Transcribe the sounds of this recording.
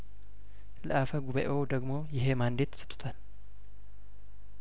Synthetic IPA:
ləʔafəɡuβəʔowd̪əɡmo̞jɪɦe̞mand̪et̪ʰːsɨ̥t̪ʼʰːu̥t̪ʰan

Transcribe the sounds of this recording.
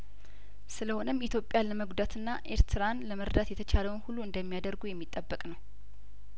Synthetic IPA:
sɨləho̞nəmːit̪ʰjopʼjaləməɡud̪at̪ʰɨnːaʔe̞ɾt̪ʰɨɾanləməɾd̪at̪jɛt̪ʰət͡ʃʰaləwnhulːuɨnd̪əmːijad̪əɾɡujɛmːit̪ʼːəbːəkʼnəw

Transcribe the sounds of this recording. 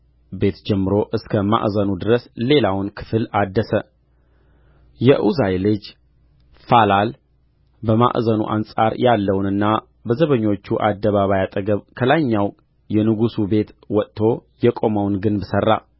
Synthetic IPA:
be̞t̪d͡ʒɛmːɨɾo̞ʔɨskʰəma̰ʔzənud̪ɨɾəsle̞lawnkʰɨ̥flad̪ːəsə | jɛʔuzajlɨd͡ʒ | falal | bəma̰ʔzənṵʔa̰nsʼaɾjalːəwnɨnːa | bəzəβəɲːo̞t͡ʃːuʔad̪ːəβaβajat̪ʼəɡəβkʰəlaɲːaw | jɛnɨɡusube̞t̪wɔt̪ʼt̪ːʰo̞jɛkʼo̞məwnɡɨnbɨsərːa̰

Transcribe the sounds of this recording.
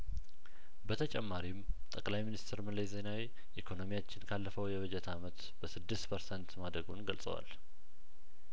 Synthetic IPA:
bət̪ʰət͡ʃʼɛmːaɾimt̪ʼəkʼlajminist̪ʰɾməleze̞nawi | ʔikʰo̞no̞mijat͡ʃːɪnkʰalːəfəwjɛβəd͡ʒɛt̪ʰamət̪ | b̥əsɨd̪ːɨst̪pʰəɾsɛnt̪mad̪ɾəɡunɡəlsʼə̰wa̰l

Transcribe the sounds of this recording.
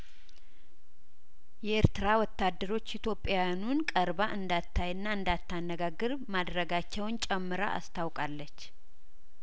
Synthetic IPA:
jɛeɾt̪ɨɾawɔt̪ːad̪ːəɾo̞t͡ʃːit̪ʰjo̞pʼːjawjanunkʼəɾbaʔɨnd̪at̪ʰːajɨnːaɨnd̪at̪ːanːəɡaɡːɨɾ | mad̪ɾəɡat͡ʃːɛwnt͡ʃʼɛmːɨɾa̰ʔa̰st̪ʰawkʼalːət͡ʃː

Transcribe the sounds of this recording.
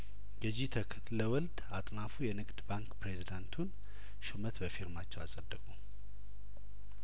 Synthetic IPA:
ɡəd͡ʒit̪ʰək̪ʰ | ləwɔld̪at̪ʼnafujɛnɨɡʼd̪baŋkpɾe̞zid̪ant̪ʰun | ʃomət̪bəfiɾmat͡ʃːɛwasʼəd̪ːəkʼu

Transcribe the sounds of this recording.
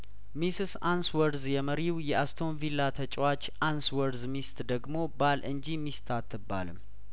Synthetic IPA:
misɨsanswəɾzjɛməɾiwjɛʔast̪ʰo̞nvilːat̪ʰət͡ʃʼwat͡ʃːʔanswəɾzmist̪d̪əɡmo̞balʔɨɲd͡ʒimist̪ʰat̪ʰːɨba̰lɨm

